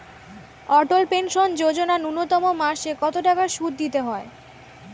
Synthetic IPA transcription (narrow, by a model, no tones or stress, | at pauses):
ɔʈolpenʃond͡ʑod͡ʑonanunːot̪ɔmomaɾʃekɔt̪oʈakaɾʃud̪̚d̪ːit̪eɦɔe